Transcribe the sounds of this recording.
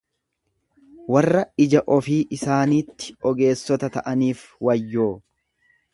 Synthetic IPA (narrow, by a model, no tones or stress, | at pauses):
wɐrːɐɪd͡ʒɐʔɔfiːʔɪsaːniːt̪ːɪ̥ɔɡe̞ːsːɔt̪ɐt̪ɐʔɐniːfwɐjːoː